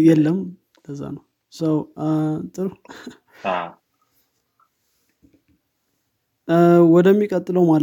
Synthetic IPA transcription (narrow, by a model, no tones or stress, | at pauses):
jɛlːəm | ləzːa̰nəw | səwt̪ʼɨɾu | wɔd̪əmːikʼət̪ʼːɨləwmal